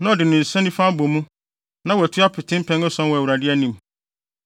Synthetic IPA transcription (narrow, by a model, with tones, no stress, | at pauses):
nã˦ɔ˨dɪ˨nʊ̃˨n̩˨sɛ̃˦nĩ˦fã˦bo˨mũ˦ | nã˦wɔ˨æ˨tʰu˦a˦pʰɪ˨tʰɪ̃˦m̩˦pʰɛ̃˦nɔ˦sɔ̃˦n˦wɔ˨wu˨ɾa˨dɪ˦æ˦nĩ˨m